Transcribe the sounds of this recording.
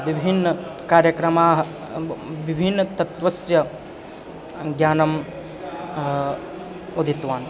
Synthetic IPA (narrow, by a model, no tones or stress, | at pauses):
ʋibʱinːɐkaːɾjɐkɾɐmaːɦ | ʋibʱinːɐt̪ɐt̪ʋɐsjɐ | ɡjaːnɐm | od̪ʱit̪ʋaːn